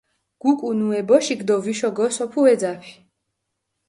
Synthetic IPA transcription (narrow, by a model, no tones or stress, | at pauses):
ɡ̥ukʼunuɛbɔʃiɡd̪ɔviʃɔɡɔsɔpʰuɛd̪zapʰi̥